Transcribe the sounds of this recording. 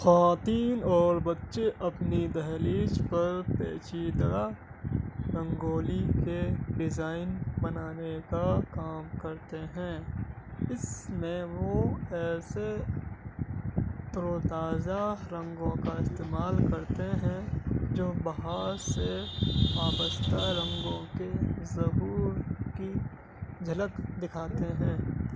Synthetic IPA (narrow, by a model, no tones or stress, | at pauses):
xaːt̪iːnɔːɾbɐtːʃeʔɐpnid̪əɦliːd͡ʒpɐɾpeːt͡ʃid̪əa | ɾə̃ŋɡoːlikeɖɪzaːɪnbɐnaːnekakaːmkɐɾt̪eɦɛ̃ː | ɪsmẽʋoɛːse | t̪ɾoːt̪aːzaɾə̃ŋɡõkaɪst̪eːmaːlkɐɾt̪eɦɛ̃d͡ʒoːbɐɦaːɾseaːbəst̪aɾə̃ŋɡõkezɐɦuːɾki | d͡ʒʱɐləkd̪ɪkʰaːt̪eɦɛ̃ː